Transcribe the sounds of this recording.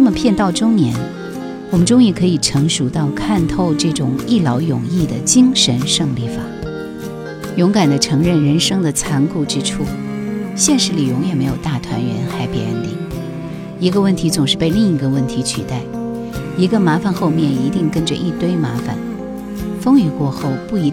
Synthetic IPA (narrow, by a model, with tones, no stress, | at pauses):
na˥˩mə˩pʰjɛ˥˧nt̪ɑ˥˩ʊʈ͡ʂʊ˥ŋnjɛ̰˧˥n | wɔ˨˩mə˦nʈ͡ʂʊ˥ŋi˥˩kʰɤ˧˥i˨˩ʈ͡ʂʰɤ˧˥ŋʂu˨˩t̪ɑ˥˧ʊkʰa˥˧nt̪ʰo˥˧ʊʈ͡ʂɤ˥˩ʈ͡ʂʊ˨˩ŋi˥˩lɑ˧˥ʊjʊ˨˩ŋi˥˩d̪ə˩t͡ɕi˥ŋʂə˧˥nʂɤ˥˧ŋli˥˩fa̰˨˩˦ | jʊ˧˥ŋka˨˩nd̪ə˦ʈ͡ʂʰɤ˧˥ŋɻə˥˩nɻə˧˥nʂɤ˥ŋd̪ə˨t͡sʰa˧˥nku˥˧ʈ͡ʂɻ̩˥ʈ͡ʂʰu˥˩ɕjɛ˥˧nʂɻ̩˥˩li˨˩ɻʊ˧˥ŋjɛ˨˩me˧˥ɪjo˨˩ʊt̪a˥˩t̪ʰwa̰˧˥nɥɛ̰˧˥nxa˧˥ɪpɛ˧˥ə̰˥˩nt̪ḭ˥˩ | i˧˥ɡə˧wə˥˩nt̪ʰi˧˥t͡sʊ˨˩ŋʂɻ̩˥˧pe˥˧ɪli˥˩ŋi˧˥ɡə˧wə˥˩nt̪ʰi˧˥t͡ɕʰy˨˩t̪a˥˩ɪ | i˧˥ɡə˧ma˧˥fa˧nxo˥˧ʊmjɛ˥˩ni˧˥t̪i˥˩ŋkə˥nd͡ʒə̰˧ʔi˥˩t̪we˥ɪma˧˥fa̰˨˩˦n | fɤ˥ŋy˥˩kwɔ˥˧xo˥˩ʊpu˥˩˧